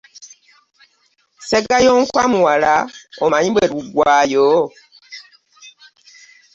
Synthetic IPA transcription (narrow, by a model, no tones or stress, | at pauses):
sɛɡajɔŋ̩kwamuwalaɔmãɲĩɓɛɾuɡwaːjɔː